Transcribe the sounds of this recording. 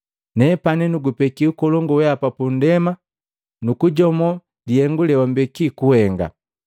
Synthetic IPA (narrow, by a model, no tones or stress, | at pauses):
nɛpanɛnuɡupɛkiukɔlɔŋɡɔwɛapapun̩dɛma | nukuɟɔmɔ | lijɛŋɡulɛwambɛkikuhɛŋɡa̰